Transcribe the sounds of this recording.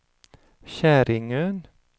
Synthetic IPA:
çæːɾɪŋøn

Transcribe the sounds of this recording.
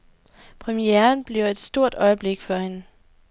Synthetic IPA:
pʰʁɛmieɐnb̥liʊe̝d̥sd̥o̝ɐ̰d̥ɒ̽ɪəb̥le̝ɡ̥fɒhenə

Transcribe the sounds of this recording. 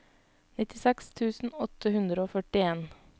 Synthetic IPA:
nɪt̪ɪsɛkst̪ʰʉːsn̩ɔt̪ʰəhʉnd̪ɾəoːfœʈɪeːn

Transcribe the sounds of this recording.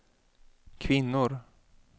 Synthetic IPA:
kʰvɪnːʊɾ

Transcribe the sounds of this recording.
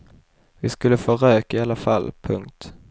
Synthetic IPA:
vɪskɵlːəfoɾøːkɪalːafalːpʰɵŋk̚t̪

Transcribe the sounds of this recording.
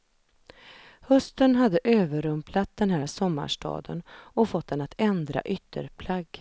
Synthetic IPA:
hɵst̪ənɦad̪ːəʔøːvəɾɵmplat̪̚d̪ɛnɦæːɾsɔmːa̰ʂʈɑ̰ːd̪ə̰nɔfɔt̪̚ːd̪ɛnat̪ɛnd̪ɾa̰ʔʏt̪ʰːə̰ɾpʰlaɡː

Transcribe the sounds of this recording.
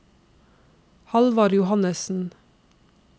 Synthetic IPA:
hɑlʋɑːɾjʊhɑnəsn̩

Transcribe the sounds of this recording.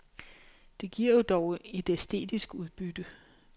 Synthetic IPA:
d̥e̝ɡ̥iɐ̰ud̥ɒʊe̝d̥esd̥e̝̰ːd̥isɡ̥uð̞ˠb̥yd̥ə

